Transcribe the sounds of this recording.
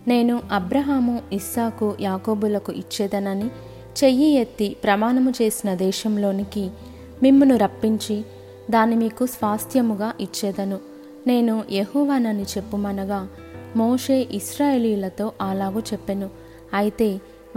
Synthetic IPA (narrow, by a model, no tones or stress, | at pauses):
ne̞ːnuʔɐbɾɐɦaːmuisaːkujaːko̞ːbulɐkuʔit͡ʃːɛːd̪ɐnɐni | t͡ʃe̞jːijet̪ːipɾɐmaːnɐmut͡ʃe̞ːsinɐd̪ɛːʃɐmlo̞ːniki | mimːunuɾɐpːiɲt͡ʃi | d̪aːnimiːkusʋaːst̪ʰjɐmuɡaːʔit͡ʃːɛːd̪ɐnu | ne̞ːnujeɦɔːʋaːnɐnit͡ʃe̞pːumɐnɐɡaː | moːʂe̞ːʔiʃɾaːjeːlijlɐt̪o̞ːʔaːlaːɡut͡ʃepːenu | ɐjit̪e̞ː